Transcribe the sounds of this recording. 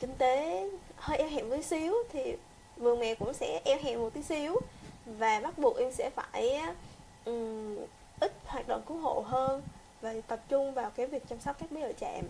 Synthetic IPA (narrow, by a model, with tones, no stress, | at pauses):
kï˧ŋ̟t̪e˨˦həː˧jʔɛ˧wɦa̰ː˧˨mvəː˨˦jsi˨˦əwt̪ʰi˨˩ | vɨ˨˩əŋmɛ̰˧˨kʊ̰˧˥ŋ͡msɛ̰˧˥ʔɛ˧˩wɦa̰ː˧˨mːo˨˩t̚t̪i˨˦si˨˦əwvaː˨˩ɓa˦˥t̚ɓu˨˩ək̚ʔi˧ŋ͡msɛ̰˧˥faː˧˩j | ʔɨ˨˩ | ʔï˦˥k̟̚hwaː˨˩t̚ɗo̰˧˨ŋ͡mku˨˦ɦo̰˧˨ɦəː˧n | vaː˨˩t̪ə˨˩p̚t͡ɕʊ˧ŋ͡mvaː˨˩wke˨˦vi˨˩ək̚t͡ɕa˧msɔ˦˥k͡p̚kaː˦˥k̚ɓə˧˦zə̰ː˧˨˩t͡ɕɛ̰˧˨m